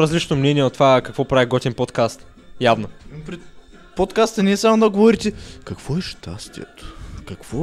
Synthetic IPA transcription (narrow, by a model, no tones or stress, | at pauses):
ɾɐzlit͡ʃnomnɛnʲiɛot̪ːvakɐkvɔpɾaviɡɔt̪ʲinpot̪kast̪ | javnonpɾɛt̪ | pot̪kast̪ənʲiɛsamod̪ɐɡovɔɾit̪ɛkɐkvɔɛʃt̪a̰st̪ḭɛ̰t̪ʊ̥kɐkvɔ